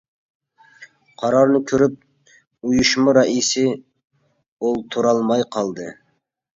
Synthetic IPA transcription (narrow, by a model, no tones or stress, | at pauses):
qʰɑɾɑɾnɨkʲʰøɾyp̚ | ujuʃmɑɾɑʔisɪ | olˠt̪ʰuɾɑlˠmɑjqʰɑlˠd̪ɨ